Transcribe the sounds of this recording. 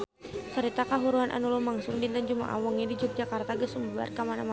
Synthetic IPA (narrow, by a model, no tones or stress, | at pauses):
səɾit̪akaɦuɾuanʔa̰nulumaŋsʊŋdindand͡ʒuma̰ʔa̰wɔŋɲadid͡ʒuk̚d͡ʒakart̪aɡəsumbua̰rkamanama